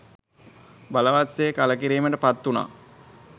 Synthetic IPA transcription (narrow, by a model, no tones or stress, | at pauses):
baləʋasekaləkiɾiːməʈəpat̪ːuna̰ː